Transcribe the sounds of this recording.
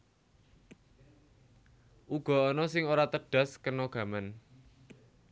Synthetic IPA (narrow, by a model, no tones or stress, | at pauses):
ʔuɡ̥ɔ̤ɔnɔsɪŋoɾat̪əɖ̥a̤skənoɡ̥ä̤man